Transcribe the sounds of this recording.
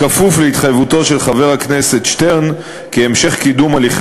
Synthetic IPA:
afufleit̪χajvuto̞ʃe̞lχave̞ʁhaknese̞t̪ʃt̪eʁn | keːmʃe̞χkidumaliχ

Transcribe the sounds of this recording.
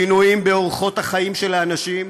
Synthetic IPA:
inujimbeoʁχo̞t̪haχaimʃe̞laːnaʃim

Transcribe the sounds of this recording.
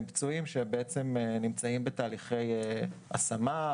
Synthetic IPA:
bt͡suimʃebeet͡se̞menimt͡saimbetaːliχe̞jea̰sama

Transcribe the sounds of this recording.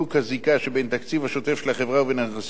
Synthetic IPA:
ukazikaʃebent̪akt͡sivhaʃot̪e̞fʃelaχevʁauvenaas

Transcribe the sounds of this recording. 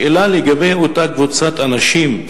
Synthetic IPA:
elaleɡabejot̪akvut͡sat̪anaʃim

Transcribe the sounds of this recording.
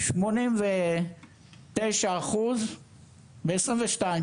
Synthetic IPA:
ʃmonimve | t̪ejʃaːχuz | beesʁinveʃtaim

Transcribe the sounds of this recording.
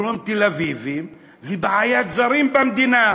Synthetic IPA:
ɾomt̪elavivi | vibaajad̪izaɾimpanid̪ina

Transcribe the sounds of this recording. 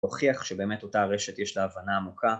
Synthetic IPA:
oχiaχʃebe̞ːmeto̞taʁe̞ʃetjeʃlaːvanaːmuka

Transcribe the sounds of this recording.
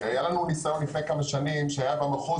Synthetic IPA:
hajalanunisajo̞nlifnejkamaʃanimʃeajabameχo

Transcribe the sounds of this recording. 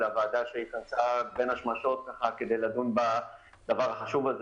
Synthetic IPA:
lavaːd̪aʃeitant͡sabe̞nhaʃmaʃo̞t̪̚kaχaked̪e̞jlad̪unba | d̥̪avaʁaχaʃuvalz

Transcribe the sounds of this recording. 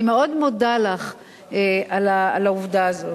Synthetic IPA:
meo̞d̪modalaχ | eʔalaalauvd̪aːzo

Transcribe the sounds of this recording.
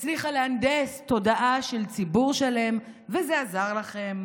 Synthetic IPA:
t͡sliχaleand̪est̪o̞d̪aʔaʃe̞lt͡sibuʁʃale̞m | vezeazaʁlaχe̞m

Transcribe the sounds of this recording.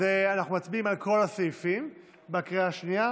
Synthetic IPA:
eanaχnumat͡sbiimalkʰo̞lasejfim | bakʁiaʃnia

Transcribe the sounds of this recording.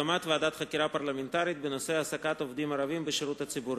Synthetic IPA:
amat̪vead̪at̪χakiɾapaɾlament̪aɾit̪̚benoseasakat̪o̞vd̪imaɾavimbeʃiɾut̪hat͡sibuɾ

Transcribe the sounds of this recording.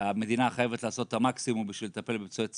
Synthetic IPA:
ame̞d̪inaχajevetlaːso̞t̪ːamaksimumbiʃvilet̪ape̞lbemt͡suet͡s

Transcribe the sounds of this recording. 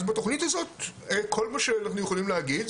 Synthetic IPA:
zbato̞χnitazo̞t̚ekʰo̞lmaʃeanaχnujeχolimleaɡid̪

